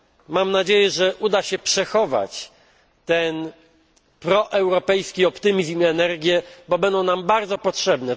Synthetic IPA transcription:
mamnad͡ʑejɛʐɛʔud̪aɕɛpʂɛxɔva̰t͡ɕ | t̪ɛn | pɾɔʔɛwɾɔpɛjskʲiɔpt̪ɘmʲizmɛnɛɾɡʲjɛbɔbɛnd̪ɔ̃w̃nambaɾd̪zɔpɔtʂɛbnɛ

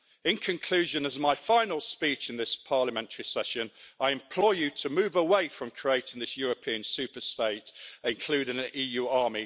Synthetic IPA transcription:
ɪ̃nkʰə̃nkʰl̥ʉːʒə̃nəzmaɪfãɪ̃nəlˠspiˑt͡ʃɪ̃nðɪspʰɑːləmɛ̃ntʰəɹisɛʃə̃naɪɛ̃mpʰl̥ɔɪjətʰəmʉːvəweɪfɹə̃mkʰɹ̥ieɪtɪ̃ŋðɪsjɔːɹəpʰiə̃nsʉˑpəsteɪtɪ̃nkʰl̥ʉːɾɪ̃ŋə̃nʔiːjʉːɑːmi

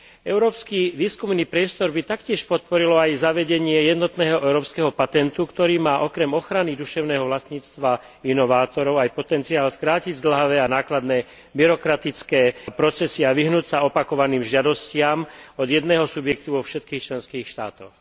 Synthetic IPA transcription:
ɛʊɾɔːpskiʋiːskumniːpɾɪɛst̪ɔɾbit̪akcɪɛʃpɔt̪̚pɔɾilɔajzaʋɛɟɛɲɪɛjɛd̪nɔt̪nɛːɦɔʔɛʊɾɔːpskɛːɦɔpat̪ɛnt̪ukt̪ɔɾiːmaːʔɔkɾɛmɔxɾanid̪uʃɛʊnɛːɦɔʋlast̪ɲiːt͡st̪ʋa | inɔʋaːt̪ɔɾɔʊajpɔt̪ɛnt͡siaːlskɾaːciɟzd̪l̩ɦaʋɛːanaːklad̪nɛː | biɾɔkɾat̪it͡skɛːpɾɔt͡sɛsiaʋiɦnuːcsaɔpakɔʋaniːmʒɪad̪ɔscɪamɔd̪jɛd̪nɛːɦɔsubjɛkt̪uʋɔfʃɛt̪kiːxt͡ʃlɛnskiːxʃt̪a̰ːt̪ɔx

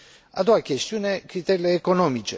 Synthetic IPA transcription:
a̰d̪ɔakjest̪juːnekɾit̪ɛleːkonɔmit͡ʃe

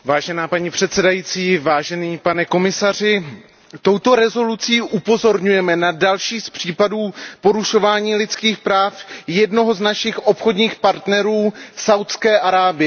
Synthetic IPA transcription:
vaːʒɛnaːpaɲipr̥ɛt̪sɛdajiːt͡siːvaːʒɛniːpanɛko̞mɪsar̝ɪ | t̪o̞wt̪o̞ɾɛzo̞lut͡siːʔupo̞zo̞ɾɲujɛmɛnadalʃiːspr̥iːpaduːpo̞ɾuʃo̞vaːɲiːlɪt͡skiːxpɾaːfjɛdno̞ɦo̞znaʃɪxʔo̞pxo̞dɲiːxpaɾt̪nɛɾuːsawt̪skɛːʔaɾaːbɪɛ

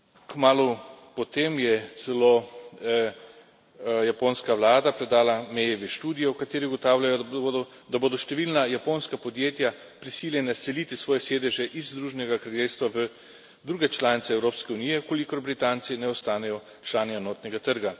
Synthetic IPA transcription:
kmaːlupɔt̪eːmjɛt̪sɛlo | japoːnskawlaːd̪apɾɛd̪aːlamɛjɛʋɛʃt̪uːd̪ijɔwkat̪eːɾiɡɔt̪aːwlʲjajɔ | d̪aboːd̪ɔʃt̪ɛʋiːlnajapoːnskapɔd̪jeːt̪ja | pɾisilʲjɛnasɛliːt̪isʋɔːjɛseːd̪ɛʒɛʔizd̪ɾuːʒɛnɛɡakɾaljeːlst̪ʋaʋə | d̪ɾuːɡɛt͡ʃlaːnit̪sɛːwɾoːpskɛuniːjɛkolikɔɾbɾit̪aːnsinɛɔst̪aːnɛjɔ | t͡ʃlaːniɛnɔːt̪nɛɡat̪əɾɡa

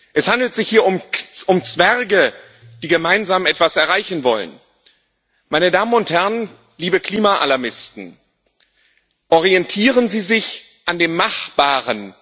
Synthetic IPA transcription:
ʔɛshandl̩tz̥ɪçhiːɐʊmʊmt͡sv̥ɛʁɡə | d̥iːɡəmaɪnzaːmɛtv̥asɛɐʁaɪçn̩vɔlə̰n | maɪnədaːmənʊnthɛɐən | liːbəkl̥iːmaʔa̰laɐmɪstn̩ | ʔɔʁiɛntʰiːʁənziːzɪç | ʔandeːmːaχb̥aːʁən

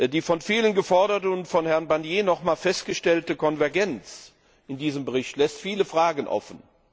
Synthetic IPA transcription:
diːfɔnfiːlənɡəfɔɐɾɐtəʊntfɔnhɛɐnbanjeːnɔχmaːlfɛst̚ɡ̥əʃtɛltəkʰɔnvɛɐɡɛnt͡s | ɪndiːzəmbəʁɪçtlɛstfiːləfʁ̥aːɡən̩ʔɔ̰fn̩

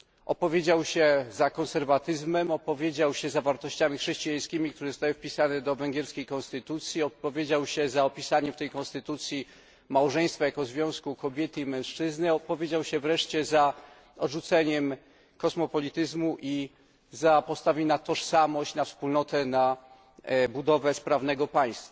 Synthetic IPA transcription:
ʔɔ̰pɔvʲjed͡ʑawɕɛzakɔnsɛɾvat̪ɘzmɛmɔpɔvʲjed͡ʑawɕɛzavaɾt̪ɔɕt͡ɕamʲixʂɛɕt͡ɕijaj̃skʲimʲikt̪uɾɛzɔst̪awɘfpʲisanɛd̪ɔvɛŋɡʲjɛɾskʲejkɔ̃nst̪ɘt̪ut̪sʲjiɔpɔvʲjed͡ʑawɕɛzaɔpʲisaɲɛmft̪ɛjkɔñst̪ɘt̪ut̪sʲji | mawʐɛ̃j̃st̪fajakɔzvʲjɔ̃w̃skukɔbʲjɛt̪ɘimɛ̃w̃ʂt͡ʂɘznɘɔpɔvʲjed͡ʑawɕɛvɾɛʂt͡ɕɛza | ɔdʐut̪sɛɲɛm | kɔsmɔpɔlʲit̪ɘzmuʔi | zapɔst̪avʲinat̪ɔʂsamɔɕt͡ɕnafspulnɔt̪ɛna | bud̪ɔvɛspɾavnɛɡɔpaj̃st̪fa

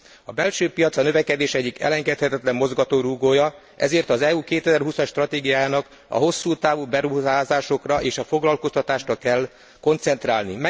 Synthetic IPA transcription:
ɒbɛlʃøːpijɒt̪sɒnø̞vɛkɛd̪eːʃɛɟːikɛ̰lɛŋɡɛt̪hɛt̪ɛt̪lɛmːo̞zɡɒt̪oːɾuɡoːjɒ | ʔɛ̰zeːrt̪ɒzɛuːkeːt̪ɛzɛrɦusɒʃt̪rɒt̪eːɡijaːnɒk | ɒ̰ɦo̞sːuːt̪aːvubɛɾuɦaːzaːʃo̞krɒʔeːʃɒfo̞ɡlɒlko̞st̪ɒt̪aːʃrɒkɛlː | ko̞nt̪sɛnt̪raːlnimɛ

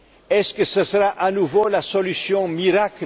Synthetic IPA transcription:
ɛskəsəsəʁaʔanuvolasɔlysjɔ̃miʁak

